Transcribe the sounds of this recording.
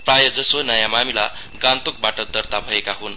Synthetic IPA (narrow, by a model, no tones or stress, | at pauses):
prajʌd͡zʌsonʌjãmamila | ɡãnt̪ok̚baʈʌd̪ʌrt̪abʱʌekaɦun